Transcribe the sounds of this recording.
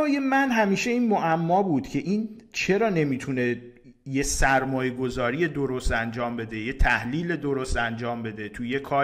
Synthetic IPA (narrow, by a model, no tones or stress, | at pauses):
ɒːjemænɦæmiːʃe̞iːnmoʔæmːɒːbuːd̪̥cʰe̞ʔiːnt͡ʃʰe̞ɾɒːne̞miːt̪ʰune̞ | je̞sæɾmɒːjeɡo̞zɒːɾije̞d̪o̞ɾost̪ænd͡ʒɒːmbe̞d̪e̞je̞t̪ʰæhliːle̞d̪o̞ɾost̪ænd͡ʒɒːmbe̞d̪e̞t̪ʰujekʰɒː